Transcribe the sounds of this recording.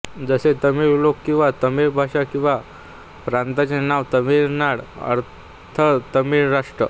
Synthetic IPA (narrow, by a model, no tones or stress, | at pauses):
d͡zəset̪əmiːɾlokːĩw̃ʋat̪əmiɾbʱaʂakĩw̃ʋa | pɾãnt̪at͡senaʋt̪əmiɾnaɽə̰ɾ | t̪ʰət̪əmiːɾɾaʂʈɾə